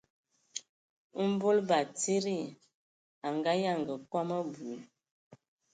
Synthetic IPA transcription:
m̩˦bo˦lba˨ti˦ɾi˦˨ | a˨ŋɡa˦ja˦˨ŋɡə˨kwa˦mə˦bu˨˦

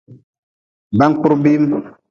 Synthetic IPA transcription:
ba˦ŋ˦k͡pu˦ɾbi˦m

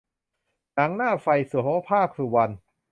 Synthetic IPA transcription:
na˩˦ŋnaː˥˩fa˧jsu˨˩˦ɦoː˦˥pʰaː˥˩kʰɾuː˧˩wa˧n

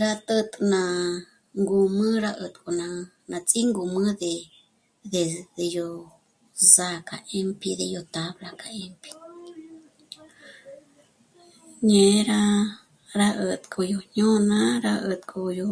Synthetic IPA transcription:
ɾa˧t̪ə˧t̪ʼnã˧ | ŋɡu˧mɨ̃˦ɾa˦ʔə˧˨t̪kʼo˧nã˧ | nã˨˧t͡sʼi˦ŋɡu˨mɨ̃˦ðe˧ | ðe˧˨e˧jo˧ | za˧kʰa̰˨ʔe˦mpʰi˧ðe˧jo˧t̪a˦βla˧kʰa˧e˦mpʰi̥˧ | ɲẽ˧ɾa˦ | ɾa˦ʔə˧t̪kʰʼo˧jo˧ɲõ˦nã˦ɾa˦˧ʔə˧˨t̪kʰʼo˧jo˧

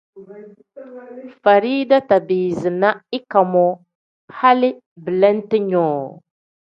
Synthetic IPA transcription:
fa˨ɾiː˦da˦ta˨biː˨zɨ˨na˦ɪ˦ka˨mɔ˦ | ha˦lɪ˦ | bɨ˨lɛ˦n˦tɨ˦ɲɔː˨

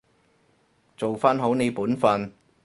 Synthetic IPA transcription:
t͡so˨wfaː˥nɦo˨˥wne˨˧jpuː˨˥nfɐ˧n

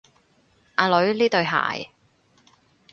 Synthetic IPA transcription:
ʔaː˨˧lɵ˨˥ɥliː˥t̪ɵ˨˧ɥɦa̰ː˨˩j

